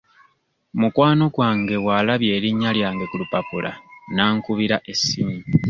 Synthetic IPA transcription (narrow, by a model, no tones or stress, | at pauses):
mukwaːno̞ɡwaːŋɡe̞waːlaβje̞ːɾiɲːaljaːŋɡe̞kulupapula̰naːŋkuβiɾaʔe̞sːiɲi